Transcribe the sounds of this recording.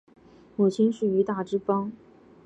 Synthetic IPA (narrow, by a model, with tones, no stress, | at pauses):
mu˨˩t͡ɕʰi˥nʂɻ̩˥˩y˧˥t̪a˥˩ʈ͡ʂɻ̩˥pɑ˥ŋ